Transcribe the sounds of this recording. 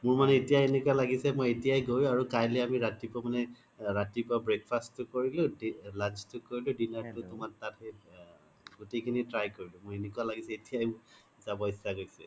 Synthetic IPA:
mʊɹmanɛetijaenekualaɡisɛmojetijajɡojʊ̃aɹukajlɔamiɹatipɔmanɛ | ɹatipɔbɹek̚pʰastʊkoɹilʊ̃dilant͡ʃtʊkoɹilʊ̃dinaɹtʊtʊmatate | ɡutejkʰinitɹajkoɹilʊ̃mojenekualaɡisɛetijaj | zabɔisaɡojsɛ̰

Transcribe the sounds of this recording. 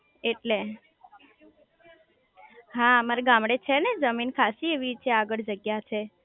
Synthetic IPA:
eʈle | ɦãmaɾeɡãmɽet͡ʃʰened͡ʒəminkʰaʃieʋit͡ʃʰeaɡəɭd͡ʒəɡjat͡ʃʰe

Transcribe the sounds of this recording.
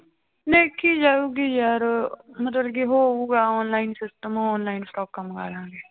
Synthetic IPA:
neːkʰːid͡ʒaːuːɡijaːɾmət̪ləlkiɦoːuːɡaːɔːnlaːɪnsɪsʈəmoɔːnlaːɪnsʈɔːkːaːmɡa̰ːlãːɡeː

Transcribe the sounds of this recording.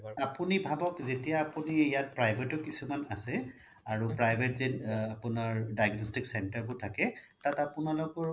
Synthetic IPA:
apunibʱabɔkzetijaːpuniijat̚pɹajbʱetʊkisumanasɛ | aɹupɹajbʱetzinapʊnaɹdajɡnɔstiksɛntaɹbʊtʰakɛtatapʊnalʊkɔɹ

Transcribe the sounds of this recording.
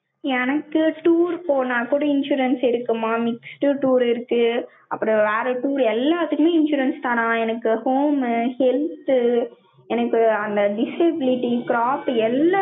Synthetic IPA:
ɛnɐkːɯʈuːɾpoːnãːkuːɽɐɪnʃuːɾɐnsɪɾɯkːɯmːaːmɪksʈɯʈuːɾɪɾɯkːɯ | ʔɐpːɯɾɔ̃ʋeːɾɛʈuːɾɛlːaːt̪ɯkːɯmeːɪnʃuːɾɐnst̪ãːnãːɛnɐkːɯhoːmhɛlt̪ | ɛnɐkːɯɐnd̪ɐɖɪsɐbɪlɪʈːikɪɾaːpɛlːaː

